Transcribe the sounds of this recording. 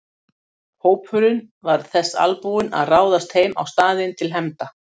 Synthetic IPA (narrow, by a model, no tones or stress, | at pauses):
hoːwpfʏɾʏn | vaɾ̥θɛsːa̰lpuɪna̰ðraːwðast̪hejma̰wst̪aːðɪnt̪ʰɪlɦɛmt̪a